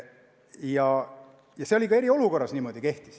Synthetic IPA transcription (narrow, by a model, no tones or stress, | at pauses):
jɑ | jɑse̞o̞lʲikɑeɾio̞luko̞rːɑsniːmo̞d̪̥ike̞ht̪i̥s